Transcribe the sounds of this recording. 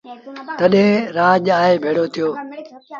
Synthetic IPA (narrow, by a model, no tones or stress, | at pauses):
t̪ɐɗɦẽːɾaːʄaːɦeːbʱeːɽoːt̪ʰijoː